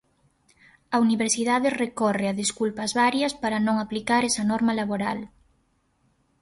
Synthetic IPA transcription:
ɐuniβeɾsiðaðɪrekɔreɐðiskulpɐzβaɾjɐspaɾɐnõŋaplikaɾɛsɐnɔɾmɐlaβoɾal

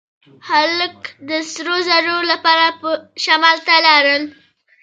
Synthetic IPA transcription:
haləkd̪əsɾozaɾoɾlapɑɾapəʃamɑlt̪alaɾəl

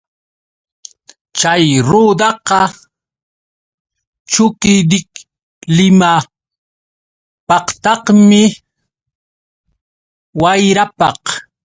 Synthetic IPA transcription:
t͡ʃajɾuːd̪ɑqɑ | t͡ʃʊkɪd̪ɪk | lɪma | pɑqt̪ɑqmɪ | wajɾapɑq

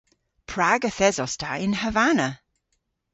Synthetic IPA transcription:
pʰɹaɡəθɛzɔstʰaɪnhəvanə

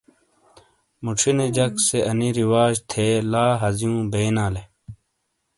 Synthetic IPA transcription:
muʈ͡ʂʰined͡ʑɐkseʔɐniɾiwaːd͡ʑt̪ʰeːlaːɦɐzijũːbeːnaːle

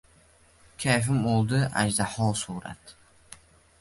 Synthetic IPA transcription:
kʲʰajf̬ɪmolˠd̪ɪʔa̰d͡ʒd̪aħɒːsuːɾa̰t̪

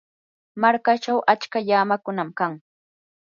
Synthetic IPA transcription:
maɾkat͡ʃawʔat͡ʃkaʎaːmakʊnamkaŋ

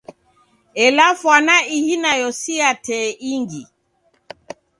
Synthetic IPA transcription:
ɛlafwanaihinajɔsiatʰɛiŋɡi

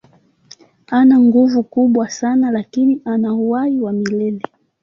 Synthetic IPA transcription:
anaŋɡuvukuɓwasanalakiniʔanauaiwamilɛlɛ

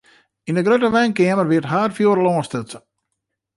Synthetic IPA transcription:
indəɡrøtəʋɛnkɪːəmərʋɪtɦaːrfjoːɾəlɔːstət͡sə

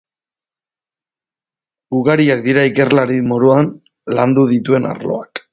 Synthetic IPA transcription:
ɡuɣaɾiak̚d̪iɾaike̞rlaɾimoɾuan | land̪uðit̪ue̞na̰ɾlo̞̰ak

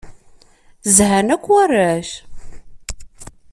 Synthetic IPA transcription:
zhænækʷːwærːæʃ

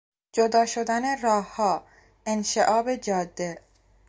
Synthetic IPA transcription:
d͡ʒod̪ɒːʃod̪æneɾɒːhːɒː | enʃeʔɒːbed͡ʒɒːd̪ːe

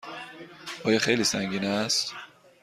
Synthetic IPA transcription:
ɒːjɒːxe̞jliːsæŋɟiːnæst̪

